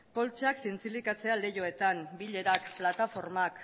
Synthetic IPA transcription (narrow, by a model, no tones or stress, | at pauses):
ko̞lt͡ʃaksint͡silikat͡se̞ale̞jo̞e̞t̪anbiʎe̞ɾakplat̪afo̞ɾmak